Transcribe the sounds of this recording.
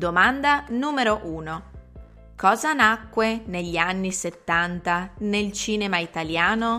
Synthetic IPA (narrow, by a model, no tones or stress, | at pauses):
d̪omand̪anuːmeɾoʔuːno | kɔːzanakːweneʎːianːiset̪ːant̪anelt͡ʃiːnɛmait̪aljaːno